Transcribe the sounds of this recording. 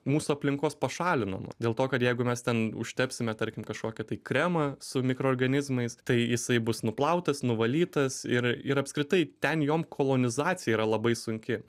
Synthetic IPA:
muːsʊɐpʲlʲɪŋkoːspɐʃɑːlʲɪnɐ̰mɐ̰dʲeːlˠt̪oːkɐt̪jɛɪɡʊmʲɛst̪ʲɛnʊ̰ʃʲt̪ʲɛpʲsʲɪmʲɛt̪ɐɾʲkʲɪmkɐʃkoːkʲɪt̪ɐɪkɾʲɛmɐsʊmʲɪkɾoːrɡɐnʲɪzmɐɪst̪ɐɪjɪsɐɪbʊsnʊplˠɐʊt̪ɐsnʊʋɐlʲiːt̪ɐsɪɾɪɾɐpskɾʲɪt̪ɐɪt̪ʲɛnjoːmkʰoːlˠoːnʲɪzɑːtt͡ssʲɪjɛiɾɐlˠɐbɐɪsʊŋʲkʲɪ

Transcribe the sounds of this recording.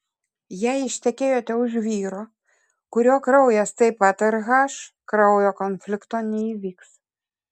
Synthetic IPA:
jæjɪʃʲt̪ʲɛkʲeːjot̪ʲɛʊʒʋʲiːɾɔ | kʊɾʲoːkɾɐʊjɛst̪ɐɪpɑt̪ʲɛɾɣɑːʃ | kɾɐʊjɔkɔnfʲlʲɪkt̪oːnʲɛiʋʲiːks

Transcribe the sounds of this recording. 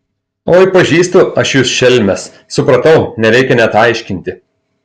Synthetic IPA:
oːɪpɐʒʲiːst̪ʊɐʃjuːsʃʲɛlʲmʲɛs | sʊpɾɐt̪ɐʊnʲɛɾʲɛɪkʲɛnʲɛt̪ɑˑɪʃʲkʲɪnʲt̪ʲɪ

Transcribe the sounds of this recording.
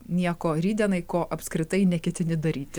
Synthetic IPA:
nʲiɛkoːɾʲiːd̪ʲɛnɐɪkoːʔɐpskɾʲɪt̪ɐɪnʲɛkʲɛt̪ʲɪnʲɪd̪ɐɾʲiːt̪ʲɪ

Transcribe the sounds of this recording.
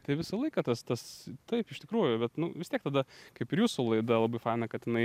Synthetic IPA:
t̪ɐɪʋʲɪsɐlˠɐɪkɐt̪ɐst̪ɐst̪ɐɪpɪʃt̪ʲɪkɾuːjʊbʲɛt̪nʊʋʲɪst̪ʲiɛkt̪ɐd̪ɐkɐɪpɪɾjuːsʊlˠɐɪd̪ɐlˠɐbɐɪfɪnɐkɐt̪ʲɪnɐɪ

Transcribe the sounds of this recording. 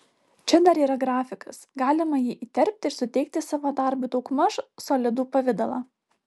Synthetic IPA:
t͡ʃʲɛd̪ɐɾiːɾɐɡɾɑːfʲɪkɐsɡɑːlʲɪmɐjiːʔiːt̪ʲɛɾʲp̚ʲt̪ʲɪɪɾsʊt̪ʲɛɪk̚t̪ʲɪsɑːʋoːd̪ɑˑɾbʊt̪ɔʊkmɐʃsoːlʲɪd̪uːpɐʋʲɪd̪ɐlˠɑ

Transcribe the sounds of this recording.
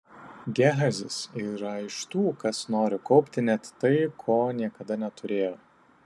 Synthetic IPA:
ɡʲæɦɐzʲɪsiːɾɐɪʃt̪uːkɐsnoːɾʲɪkɒʊpʲt̪ʲɪnʲɛt̪t̪ːɐɪkʰoːnʲiɛkɐd̪ɐnʲɛt̪ʊɾʲeːjoː

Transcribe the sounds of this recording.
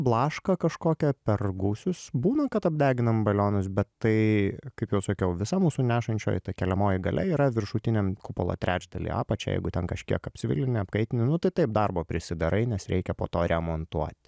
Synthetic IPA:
blˠɑːʃkɐkɐʃkoːkʲɛpʲɛrɡuːsʲʊsbuːnɐkɐt̪ɐb̚ʲd̪ʲæːɡʲɪnɐmbɐlʲoːnʊsbʲɛt̪ːɐɪkɐɪpjɛʊsɐkʲɛʊʋʲɪsɐmuːsuːnʲæːʃɐnʲt͡ʃʲo̰ːjt̪ɐkʲɛlʲɛmoːjɪɡɐlʲʔɛ̰iːɾɐʋʲɪrʃuːt̪ʲɪnʲemkʊpo̰lˠo̰ːt̪ʲɾʲæːd͡ʒd̪ɐlʲḭːɑ̰ːpɐt͡ʃʲɛjɛ̰ɪɡʊt̪ʲɛnkɐʃʲkʲiɛkɐpʲt͡sʲɪʋʲɪ̰lʲɪnʲɪɐpkɐɪt̪ʲɪnʲɪnʊt̪ɐɪt̪ɐɪp̚d̪ɑrboːpʲɾʲɪsʲɪd̪ɐɾɐɪnʲɛsɾʲɛ̰ɪkʲɛpoːt̪oːɾʲɛmoːnt̪uɔt̪ʲ

